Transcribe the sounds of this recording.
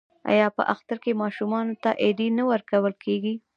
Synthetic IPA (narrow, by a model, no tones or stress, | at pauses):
ɑ̰jɑpə̰ʔaxt̪aɾkemɑʃumɑnot̪aʔed̪enawəɾkawəlkʰeɡi